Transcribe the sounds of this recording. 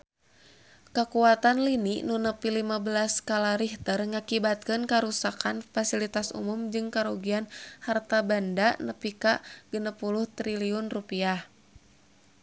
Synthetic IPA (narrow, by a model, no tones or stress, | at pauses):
kəkuat̪anlininunəpilimabəlaskalaɾiht̪ərŋakibat̪̚kɨnkaɾusakanfasilit̪asṵmumd͡ʒɨŋkaɾoɡianhart̪abandaʔnəpikaʔɡ̥ənəpuluht̪ɾiliunrupiah